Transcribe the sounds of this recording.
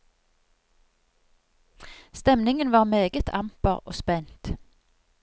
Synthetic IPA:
st̪ɛmnɪŋənʋɑːʁmeːɡət̪ʰɑ̰mpəʁo̰ːspɛnt̪

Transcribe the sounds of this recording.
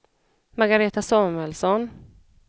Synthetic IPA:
maɾɡaɾeːt̪asoːmɛlsɔn

